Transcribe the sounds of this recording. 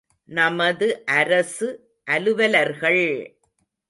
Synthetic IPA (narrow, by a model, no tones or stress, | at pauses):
nɐmɐðɯʔɐɾɐsɯ | ʔɐlɯʋɐlɐɾɣɐɭ